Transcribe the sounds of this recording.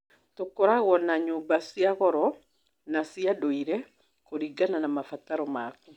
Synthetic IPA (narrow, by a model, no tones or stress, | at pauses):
tokoɾaɣwɔnaɲoːmbasiaɣɔɾɔ | nasiadoiɾɛ | koɾiɡananamafataɾɔmaːku